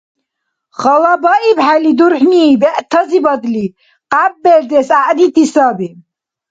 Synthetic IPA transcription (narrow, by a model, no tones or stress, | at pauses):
χalabaʔibħalid̪uɾħniːbɛʔt̪ʰazibad̪li | qʼabːɛɾd̪ɛsaʔnit̪ʰisabi